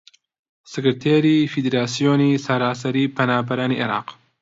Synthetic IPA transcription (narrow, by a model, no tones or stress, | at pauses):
sɨkɨɾt̪ʰeːɾiːfid̪eɾaːsijoːniːsɐɾaːsɐɾiːpʰɐnaːbɐɾaːniʔeɾa̰ːq